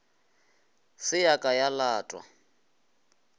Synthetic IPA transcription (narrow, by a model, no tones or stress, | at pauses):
sɪjakʼajalaːtʼwa̰